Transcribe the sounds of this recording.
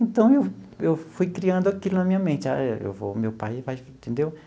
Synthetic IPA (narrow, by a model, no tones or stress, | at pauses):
ẽnt̪ɐ̃w̃ewewfujkɾiɐ̃nd̪ʊakilunɐmĩɲɐmẽnt͡ʃ̪a̰ḛwvo̰mewpajfajĩt̪ẽnd̪ew